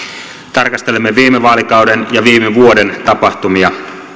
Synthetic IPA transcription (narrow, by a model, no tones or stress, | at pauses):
t̪ɑrkɑst̪e̞lemːeʋiːmeʋɑːlikɑwdenjɑʋiːmeʋuode̞nt̪ɑpɑht̪umiɑ